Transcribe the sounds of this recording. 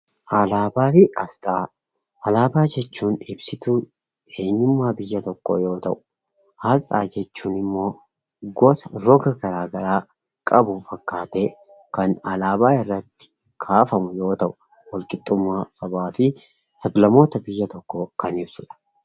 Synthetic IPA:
ʔɐlaːbaːfɪʔɐst̪ʼaː | ʔɐlaːbaːd͡ʒɛt͡ʃːuːnɪbsɪt̪u | e̞ːɲːʊmːaːbɪjːɐt̪ɔkːo̰ːjo̞ːt̪ɐʔʊ̥ | hɐst̪ʼa̰ːd͡ʒɛt͡ʃːuːnɪmːo̞ː | ɡɔsɐɾɔɡɐɡɐɾaːɡɐɾaː | kʼɐbʊfɐkʼːaːt̪e̞ː | kɐnɐlaːbaːɪrːɐt̪ːɪ̥ | kʰaːfɐmʊjo̞ːt̪ɐʔʊ | wɐlkʼɪt̪ʼːʊmːaːsɐbaːfɪ | sɐblɐmo̞ːt̪ɐbɪjːɐt̪ɔkːoːkɐnɪb̥sʊᶑɐ̥

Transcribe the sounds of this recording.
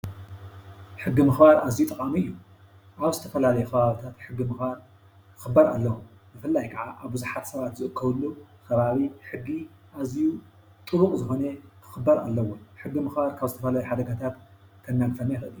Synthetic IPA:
ħɨɡːimɨxbaɾazijut̪ʼɐkʼamiɨjːu | ʔaβzɨt̪ʰɐ̥fɐlalɐjukʰɐβaβit̪ʰat̪ħɨɡːimɨxbaɾ | kɨ̥xɨbːɐɾa̰lːɐwu | bɨfɨlːajkʰɐʕaʔaβbɨzuħat̪sɐβat̪zɨʔɨkʰːɐβɨlːukʰɐβaβiħɨɡːi | ʔaziju | t̪ʼɨβukʼzɨxo̞nekʰɨ̥xɨbːɐɾa̰lːɐwoħɨɡːimɨxbaɾkʰaβzɨt̪ʰɐfɐlajuħad̪ɐɡat̪ʰat̪kʰɐnːaɡfɐnajxɨʔɨlijːu

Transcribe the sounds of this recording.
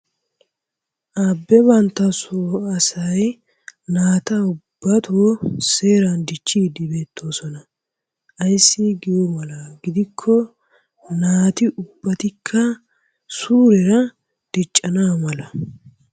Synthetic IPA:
ʔabːɛβɐnt̪ːɐsoɐsɐj | naːt̪ɐʊbːɐt̪ʰoːse̞ːɾɐnd̪ɪt͡ʃʼːiːd̪ɪbe̞ːt̪ʰːo̞ːsɔnɐ | ʔɐjsːɪɡɪjomɐlɐɡɪd̪ɪkʰːɔ | naːt̪ɪʔʊbːɐt̪ɪkʰːɐ | suːɾɛɾɐ | d̪̥ɪt͡ʃʼːɐnamɐlɐ

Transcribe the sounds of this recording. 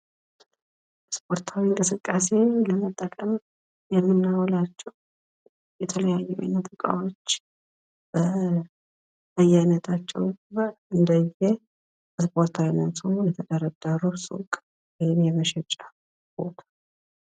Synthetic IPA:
spʰo̞ɾt̪ʰawiŋkʼɨsɨkʼːase̞ləmət̪ʼːəkʼəm | jɛmːɨnːawlat͡ʃːɛw | jɛt̪ʰələjajːɛwa̰nːət̪ɨkʼa̰wot͡ʃː | b̥ə | əjajnət̪ʰat͡ʃːɛ̰wbəɨnd̪əjɛ | ɨspʰʼo̞ɾt̪ʰawinat̪ʰujɛt̪ʰəd̪əɾəd̪aɾusʼṵkʼ | wijɪmjɛməʃɛt͡ʃʼːa | b̥o̞̰t̪ʰḁ

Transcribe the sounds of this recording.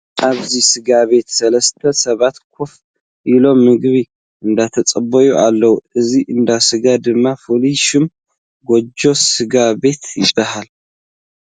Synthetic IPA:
ʔaβzisɨɡaβe̞t̪sɐlɐst̪ʰɐsɐβat̪kʰof | ʔilo̞mːɨɡβi | ʔɨnd̪at̪ʰɐt͡sʼɐbɐjuʔalːɐwuʔɨziʔɨnd̪asɨɡad̪ɨmːafoliʃɪm | ɡod͡ʒo̞sɨɡabe̞t̪ʰjɪbːahal

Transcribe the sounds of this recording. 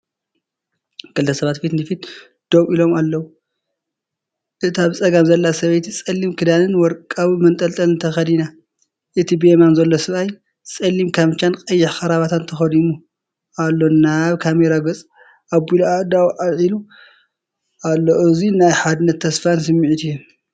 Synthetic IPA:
kɨlt̪ʰɐsɐβat̪fit̪nɨfit̪ | d̪̥owʔilo̞malːɐwu | ʔɨt̪aβt͡sʼɐɡamzɐlːasɐβejt̪it͡sʼɐlːimkʰɨd̪anɨnwɔɾkʼaβmɐnt̪ʼɐlt̪ʼɐlɨnt̪ʰɐxɐd̪ina | ʔɨt̪ʰibemanzɐlːosɨβaj | t͡sʼɐlːimkʰamt͡ʃːankʼɐjːɪħxɐɾaβat̪ʰant̪ʰɐxɐd̪imu | alːonaβkʰameɾaɡɐt͡sʼ | ʔabulad̪awʔaβʕilu | ʔalːoʔoɨzinajħad̪ɨnɐt̪ʰːɐsfansɨmːiʕit̪ijːu

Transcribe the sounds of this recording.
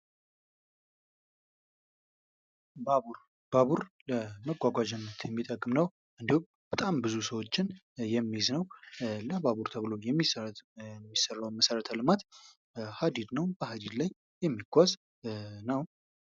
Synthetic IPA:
buɾ | baβuɾləməɡʷaɡʷad͡ʒɛnːət̪jɛmːit̪ʼəkʼɨmnəw | ʔɨnd̪ihum | b̥ət̪ʼambɨzusəwo̞t͡ʃːɪn | jɛmːiznəwləβaβuɾt̪ʰəβɨlojɛmːi | mːisərːawnməsəɾət̪ʰalɨmat̪ | had̪id̪nəwbəhad̪id̪lajːɛmːiɡʷaz | nəw

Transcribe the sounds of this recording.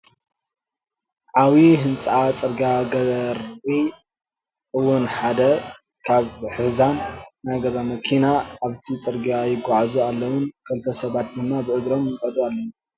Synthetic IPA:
ʕawiɦɨnt͡sʼat͡sʼɨɾɡaɡɐɐɾi | ɨwʊnħad̪ɐ | kʰaβħɨzanːajɡɐzamɐkʰinaaβt̪ʰit͡sʼɨɾɡiajɪɡʷaʕzualːɐwʊnkʰɨlt̪ʰɐsɐβat̪̚d̪ɨmːabɨʔɨɡɾo̞mjɨkʼɐd̪ualːɐwu

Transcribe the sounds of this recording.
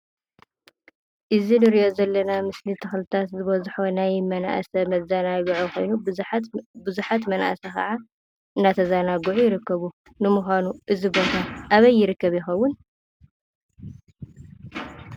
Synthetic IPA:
ʔɨzinɨɾiʔo̞zɐlːɐnamɨslit̪ʰɨxlɨt̪ʰat̪zɨβɐzħo̞najmɐnaʔsɐmɐzanaɡʕuxo̞̰jnu | bɨzuħat̪mɐnʔa̰sɐkɐ̰ʕa | ʔɨnːat̪ʰɐzanaɡɨʕujɪɾɨkːɐβu | nɨmuxʷanuʔɨzibot̪ʰaʔaβɐjːɪɾɨkːɐβjɪxɐwːʊn

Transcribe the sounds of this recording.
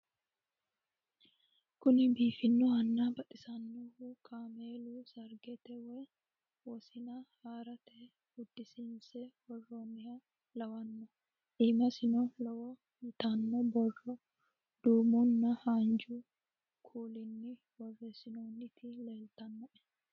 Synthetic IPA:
kʊnɪbiːfɪnːɔɐnːaːbɐᶑɪsɐnːɔukʰaːmeːluːsɐɾɡɛt̪ɛwɛ | wɔsɪnɐhaːɾɐt̪ɛ | hʊd̪ːɪsɪnsɛwɔrːonːɪjɐ | lɐwɐnːɔ | ᶑiːmɐsɪnɔlɐwɔ | mɪt̪anːɔbɔrːɔ | d̪̥uːmunːɐhaːnd͡ʒuː | kʰuːlɪnːɪ | wɔrːesɪnoːnːɪt̪ʰɪlɛːlt̪ɐnːɔʔɛ̥

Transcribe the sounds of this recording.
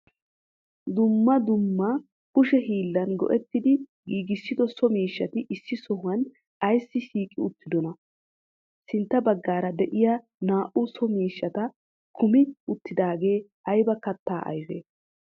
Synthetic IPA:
d̪ʊmːɐd̪ʊmːɐ | kʊʃɛɦiːlːɐnɡɔ̰ʔɛt̪ːɪd̪ɪɡiːɡɪsːɪd̪ɔsɔmiːʃːɐt̪ɪʔɪsːɪsɔhʊwɐn | ɐjsːɪʃiːkʼɪʊt̪ːɪd̪ɔnɐ | sɪnt̪ːɐbɐɡːaːɾɐd̪ɛʔɪja | naːʔʊsɔmiːʃːɐt̪ɐ | kʰʊmɪʊt̪ːɪd̪aːɡe̞ːʔɐjbɐkɐt̪ːaːʔɐ̰jfḛː

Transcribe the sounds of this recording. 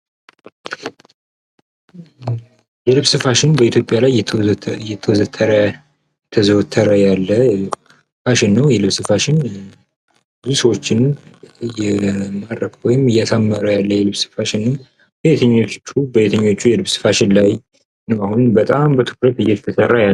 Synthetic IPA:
jɛlɨβsɨfaʃɪnbəit̪ʰjo̞pʼjalajjɛt̪ʰəwzət̪ʰːəɾə | ɛt̪ʰəzəwt̪ʰːəɾəjalːə | faʃɪnːəwjɛlɨβsɨfaʃɪn | bɨzusəwot͡ʃːɪnjɛmad̪ɾəkwɔjɪmɨjat̪ʰamːəɾəjalːəjɛlɨβsɨ̥faʃɪnːɨm | bəet̪ʰəɲːo̞t͡ʃːubəet̪ʰəɲːo̞t͡ʃːujɛlɨβsɨ̥faʃɪnlaj | nəwahunbət̪ʼambət̪ʰɨ̥kɾət̪ɨjːɛt̪ʰət̪ʰəsərːaja

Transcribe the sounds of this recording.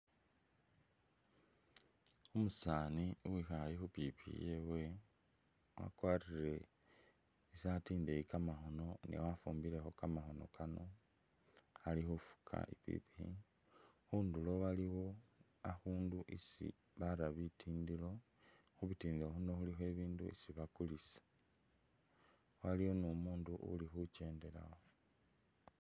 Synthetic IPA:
umusaːniuwixajixupipḭjewe | wa̰kwaːriɾe̞ | isiatiːndeikamaxo̞no̞nḛwafuːmbile̞xo̞kamaxo̞no̞̰kano̞ | alixufu̥kʰa̰ipḭpii | xundulo̞waliwo̞ | axuːnduʔisḭ | βaɾaβitʰiːndilo̞ | xuβitiːndiloxuno̞xulixe̞βiːnduisiβakulisḁ | waliwo̞numuːnduʔṵlixuce̞ːnde̞la̰xo

